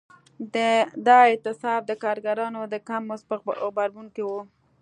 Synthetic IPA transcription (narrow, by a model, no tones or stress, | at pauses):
d̪əd̪ɑɪt̪ɪsɑb̚d̪əkɑɾɡaɾɑnod̪əkamːʊsɣbaɾbuŋkewu